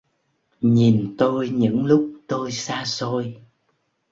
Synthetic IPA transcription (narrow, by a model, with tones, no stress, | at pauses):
ɲi˨˩nt̪o˧jɲɨ̰˧˥ŋlʊ˦˥k͡p̚t̪o˧jsaː˧so˧j